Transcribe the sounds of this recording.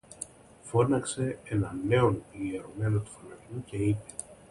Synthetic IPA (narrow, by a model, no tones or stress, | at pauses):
fo̞nɐkse̞enɐne̞o̞nieɾo̞me̞no̞t̪u̥fonɐvuce̞ipe̞̥